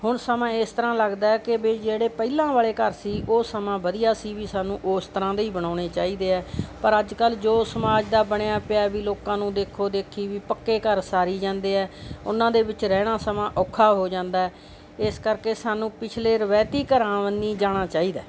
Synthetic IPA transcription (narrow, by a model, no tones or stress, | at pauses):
hʊɳsəmãːɪst̪əɾãːləɡd̪aːɛːkɪbeːd͡ʒeːɽeːpəilãːʋaːɭeːkəɾsiːʔoːsəmãːʋəd̪ijaːsiːʋiːsaːnũːʔoːst̪əɾãːd̪eiːbəɽaːɽ̃eːt͡ʃaːiːd̪eːɛːpəɾəd͡ʒkəld͡ʒoːsəmaːd͡ʒd̪aːbəɳejaːpɪaːʋiːloːkãːnũːd̪eːkʰoːd̪eːkʰiːʋiːpəkːeːkəɾsaːɾiːd͡ʒãːnd̪eːɛːʊnãːd̪eːbɪt͡ʃɾɛːɽ̃ãːsəmãːʔɔːkʰːaːɦoːd͡ʒãːnd̪aːɛː | ɪskəɾkeːsaːnũːpɪt͡ʃʰleːɾəʋɛːt̪iːkəɾãːʋəniːd͡ʒaːɽ̃aːt͡ʃaːiːd̪aː